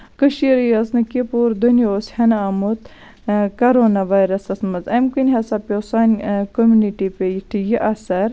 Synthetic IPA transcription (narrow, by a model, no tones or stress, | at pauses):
kɨʃiɾjɐsnɨkipuɾd̪unjoshɐnɐɐmut̪ | kɐɾoːnaʋajɾɐsɐsmɐzɐmkinʲɦɐsɐpʲosanʲkomʲuniʈipʲejiʈʰijiʔɐsɐɾ